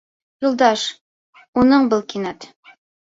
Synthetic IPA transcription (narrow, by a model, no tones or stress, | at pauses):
julˠd̪ɑʃ | unɤɴbɤlˠkinɑt̪